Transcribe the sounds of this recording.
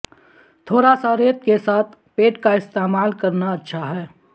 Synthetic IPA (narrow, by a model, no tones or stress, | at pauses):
t̪ʰoːɾasaɾeːt̪̚kesaːt̪ʰ | peːʈkaɪst̪eːmaːlkɐɾnaɐtːʃʰaɦɛː